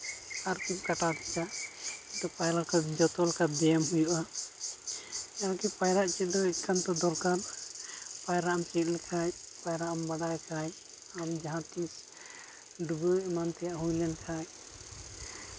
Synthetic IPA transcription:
aɾkip̚kaʈaɾt̪ɛt͡ʃaʔɛt̪ɔpajɾakad͡ʒɔt̪ɔlkad̪ɛamɦujuʔa | aɾkipajɾaʔt͡ʃit̪̚d̪ɔɛkʰant̪ɔd̪ɔlkaɾ | pajɾaamt͡ʃit̪̚ˀlɛkʰaj | pajɾaʔambaɽajkʰaj | amd͡ʒaɦãt̪is | ɖuɡəmant̪ɛjaʔɦujlɛnkʰaj

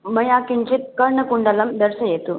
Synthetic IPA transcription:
mɐjakiɲt͡ɕit̪̚kəɾɳəkuɳɖələmd̪əɾsəjet̪u

